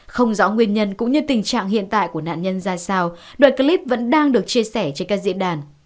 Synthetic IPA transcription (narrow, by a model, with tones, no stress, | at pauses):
xə˧wŋ͡mzɔ˨˦ŋwi˧ənɲə˧nkʊ̰˧˥ŋ͡mɲɨ˧t̪ï˨˩ŋ̟t͡ɕa̰ː˧˨ŋɦḭ˧˨ənt̪a̰ː˧˨jku˧˩əna̰ː˧˨nɲə˧nzaː˧saː˧w | ɗwa̰ː˧˨nkə˧li˦˥p̚və̰˧˥nɗaː˧ŋɗɨ˨˩ək̚t͡ɕi˧əsɛ˧˩t͡ɕe˧nkaː˦˥k̚zḭ˧˥ənɗaː˨˩n